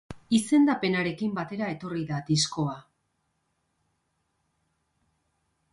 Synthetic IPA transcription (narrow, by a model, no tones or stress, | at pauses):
ise̞nd̪ape̞naɾe̞kimbat̪e̞ɾae̞t̪o̞riðad̪isko̞a